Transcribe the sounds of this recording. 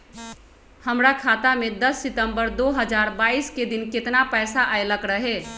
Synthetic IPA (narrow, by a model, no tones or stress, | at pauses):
həmɾakʰat̪amed̪əsːit̪əmbəɾd̪oɦəd͡ʒaɾbaisked̪inket̪napɛjsaʔajləkɾəɦe